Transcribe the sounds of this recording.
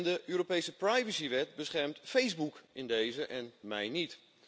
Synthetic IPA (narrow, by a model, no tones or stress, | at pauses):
ndəʔøːɾopejsəprajvəsiʋɛt̚bəsχɛrmtfejzbukɪndejzəʔɛnmɛjnit